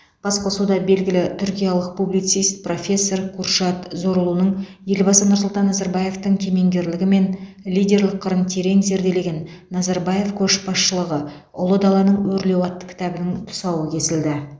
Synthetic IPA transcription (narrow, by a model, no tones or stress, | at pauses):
b̥ɑsqʰosud̪ɑbe̞lɡʲɪlɪt̪ʰʏɾkʲijalˠəq̚publijt̪sijst̪̚pro̞fʲe̞sːo̞ɾqʰurʃɑt̪zo̞ɾəlˠunəɴ | je̞lbɑsənʊɾsʊlˠt̪ɑnːɑzɑɾbɑje̞ft̪əɴkʲʰe̞me̞ŋɡʲe̞ɾlɪɡʲɪme̞n | lijd̪ʲe̞ɾlˠɪqʰːəɾənt̪ʰe̞ɾe̞ŋze̞ɾd̪e̞le̞ɡʲe̞nː | ɑzɑɾbɑje̞fkʲʰɵʃbɑsʃəlˠəʁə | ʊlˠəd̪ɑlˠɑnəɴwɵɾle̞wɑt̪ːə̥kʲʰɪ̥t̪æbɪnɪɴt̪ʰʊ̥sɑwəkʲʰe̞sɪld̪ɪ